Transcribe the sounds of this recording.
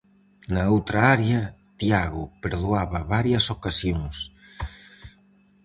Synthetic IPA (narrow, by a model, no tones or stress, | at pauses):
naowt̪ɾaaɾjɐ | t̪jaɣʊpeɾðuaβɐβaɾjɐsokasjoŋs